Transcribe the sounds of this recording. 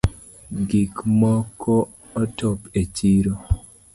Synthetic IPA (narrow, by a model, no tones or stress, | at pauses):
ɡikmɔkʰɔː | tɔpet͡ʃiɾo